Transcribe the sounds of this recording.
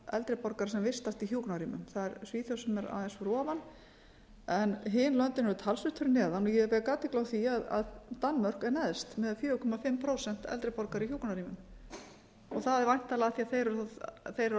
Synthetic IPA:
ɛ̰lt̪ɾɪpɔɾkaɾ̥sɛmvɪst̪ast̪içjuːknaɾiːmʏ̰mθaðɛɾsviːθjowsʏmɛɾa̰ːðɛnsfɾɔːvan | ɛnɦɪnlœnt̪ɪnɛɾʏt̪ʰalsvʏht̪ʰːʏɾnɛːðanujɛvɛkaːt̪ɪklawθiaða̰ðt̪anːmœr̥kɛɾnɛðst̪mɛðafjœːʏkʰɔmafɪmpʰɾowsɛn̥t̪ɛ̰lt̪ɾɪpɔɾkaɾiçjuːknaɾiːmʏm | ɔɣθaðɛɾvajn̥t̪alaɣaθiaθejɾʏɾθejɾ

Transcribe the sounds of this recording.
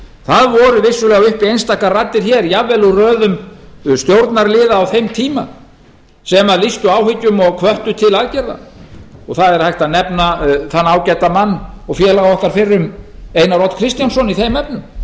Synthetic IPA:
θaðvɔɾʏvɪsːʏlɛːɣaʏhpiejnst̪aːkarat̪ːɪɾ̥çɛɾjavːɛlurœːðʏmst̪jowɾt̪naɾlɪːðaːwθejmt̪ʰiːma̰ | sɛmaðlist̪ʏawhɪcːʏmɔɣkʰvœht̪ʏt̪ʰɪlaðcɛɾða̰ɔɣθaðɛɾ̥hajht̪anɛpnaθanːaːwcɛt̪amanːɔɣfjɛːlaɣaɔhkaɾ̥fɪrːʏmejnaɾrɔt̪kʰɾɪst̪jansɔniθejmːɛpnʏm

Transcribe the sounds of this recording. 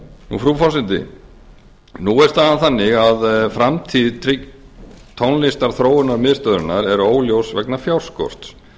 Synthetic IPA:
nṵfɾufɔsɪnt̪ɪ̰ | nuɛɾ̥t̪aðanθanːɪɣaðfɾamt̪ʰiðt̪ʰɾɪk | t̪ʰownlɪst̪aɾ̥θɾoːwʏnaɾmɪðst̪œðɾɪnaɾɛɾoːwljowsvɛknafjawɾ̥skɔ̰r̥t̪s

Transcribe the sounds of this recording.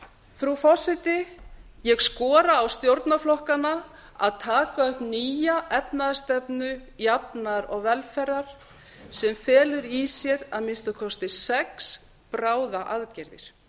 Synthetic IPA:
θɾufɔ̥sɪt̪ɪjɛɣskɔːɾaːwst̪jowɾt̪naflɔhkana | a̰ðt̪ʰaːkaœhpniːjaʔɛpnaðast̪ɛpnʏjapnaɾɔɣvɛlfɛɾðaɾ̥ | sɛmfɛːlʏɾisjɛɾaðmɪnst̪akʰɔst̪ɪsɛks | pɾaːwðaʔaðcɛɾðɪ̰ɾ̥

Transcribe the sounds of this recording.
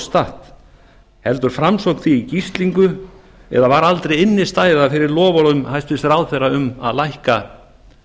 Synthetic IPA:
st̪aht̪ | hɛlt̪ʏɾ̥fɾamsowkθiːcist̪liŋkʏ | ɛ̰ðavaɾalt̪ɾejɪnːɪst̪aːjɪðafɪɾɪɾlɔːvalʏmhajst̪vɪsɾawðθɛjɾaʏma̰ðlajhka

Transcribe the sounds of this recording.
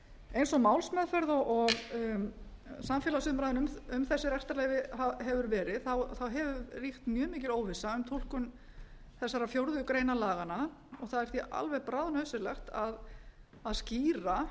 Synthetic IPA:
ejnsɔmaːwlsmɛðfœɾðɔɣʔɔɣ | samfjɛlasʏmɾajðɪnʏmʏmθɛsːɪɾɛst̪aɾlɛːjvɪɦaɦɛvʏɾvɛːɾɪðθawθawɦɛvʏrixt̪mjœːmiːcɪloːwvɪsːaʏmt̪ʰul̥kʏm | θɛsːaɾafjowɾðʏkɾeːjnalaːɣanaɔɣθaðɛɾ̥θjɛʔa̰lvɛɣpɾaːðnœɥsɪlɛxt̪að | aðsciːɾa

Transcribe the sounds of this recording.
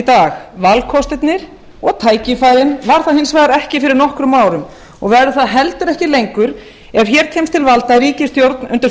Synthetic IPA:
t̪aːxvalkʰɔst̪ɪt̪nɪɾ̥ | ɔɣt̪ʰaːjcɪfaːjɾɪnvaɾ̥θaðhɪnsvaːjðaɾɛhcɪfɪɾɪɾnɔhkɾʏmːaːwɾʏm | ɔɣvɛɾʏθaðɦɛlt̪ʏɾɛhcɪlejŋkʏɾ | ɛɾ̥çɛːɾ̥t̪ʰɛjmst̪ʰɪlvalt̪aðɾiːcɪst̪jowɾt̪nʏnt̪ɪɾ

